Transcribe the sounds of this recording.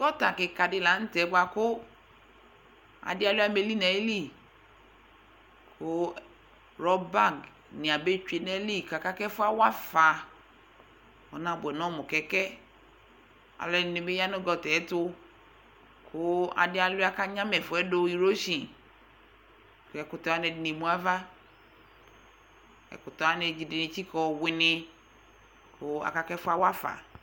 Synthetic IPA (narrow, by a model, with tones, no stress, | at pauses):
kɔ˦ta˨ke˨ka˨dɪ˧la˨˦n̩˦tɛ˨˦ɡ͡ba˧kʊ˦ | a̰˨dɪ˦a˧lo˦a˦me˧li˦nɛ˨˦li˦˨ | kʰʊ˦ | ɾɔ˧ba˦˨ɡ | nĩ˨a˨be˦t͡ʃe˧nɛ˦li˦˨ka˨ka˦kɛ˦fʊ˦a˦wa˦fa˨˧ | ɔ˨nã˧˨bɛ˨nɔ̃˨˦mʊ˨kɛ˨˦kɛ˦ | a̰˨lɛ˨nɪ˨nɪ˨be˦ja˦nʊ˦ɡɔ˨tɛ˨˦tʊ˦ | kʰʊ˦a̰˨dɪ˦a˦la˦ka˦ɲã˦mɛ˨fʊ˨˦ɛ˦do˦i˨ɾo˦ʃi˨ | kɛ˨kʊ˨tɔ˨a˦nɛ˨dɪ˨ni˨mũ˨˦a˦va˦ | ɛ̰˨kʊ˨tɔ˨a˦ne˧d͡ʒi˨dɪ˨nɪ˨t͡ʃi˦kɔ˨wɪ˨nɪ˧ | kʰʊ˦a̰˨ka˦kɛ˦fʊ˦a˦wa˦fa̰˨